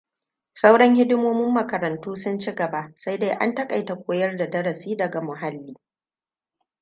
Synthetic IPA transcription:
sa˦wɽɐ˦ŋhɪ˦dʊ˦moː˦mɪ˦mːɐ˨kɐ˨ɾɐ˨ntuː˦sʊ˦nt͡ʃi˦ɡɐ˨ba˨ʔsa˦jdeː˦ʔa̰˦ntɐ˦kʼa˨jta˨kʷoː˦jɐ˦rda˨dɐ˦ɽɐ˨siː˦dɐ˨ɡa˨mʊ˨ɦa˦lːiː˦

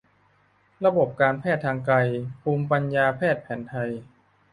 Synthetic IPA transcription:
ɾa˧bo˨˩p̚kaː˧npʰɛː˥˩t̪ʰːaː˧ŋka˧jpʰuː˧mpa˧njaː˧pʰɛː˥˩t̪̚pʰɛː˩˦nt̪ʰa˧j

